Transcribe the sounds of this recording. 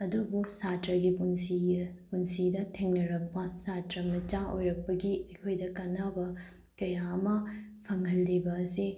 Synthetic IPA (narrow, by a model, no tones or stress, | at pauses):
ɐdubusatɾɐɡipunsi | punsidɐtʰeŋnɐɾɐk̚pɐsatɾɐmɐt͡ʃaʔo̰jɾɐk̚pɐɡiɐkʰojdɐkɐnabɐ | kɐjaɐmɐpʰɐŋɐlːibɐːse